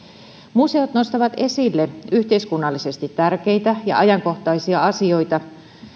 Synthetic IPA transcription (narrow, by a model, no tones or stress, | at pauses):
muse̞ot̪no̞st̪ɑʋɑt̪e̞silːe̞yht̪e̞iskunːɑlːise̞st̪it̪ːærke̞jt̪æjɑ̰ʔɑjɑŋko̞ht̪ɑijsiɑɑsio̞jt̪ɑ